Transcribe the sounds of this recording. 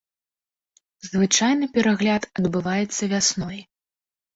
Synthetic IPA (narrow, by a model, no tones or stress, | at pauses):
zvɨt͡ʂajnɨpʲɛɾaɣlʲat̪ɐd̪bɨvajɛt̪sːɐvʲasnɔj